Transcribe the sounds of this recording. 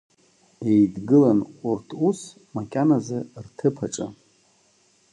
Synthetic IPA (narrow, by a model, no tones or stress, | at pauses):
ejdɡɨlanurtʰus | makʲʼanazɨrtʰɨpʰaʈ͡ʂʼa̰